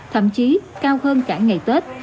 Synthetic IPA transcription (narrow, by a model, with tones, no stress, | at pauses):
t̪ʰə̰˧˩mt͡ɕi˨˦kaː˧whəː˧nkaː˧˩ŋa˨˩jt̪we˦˥t̚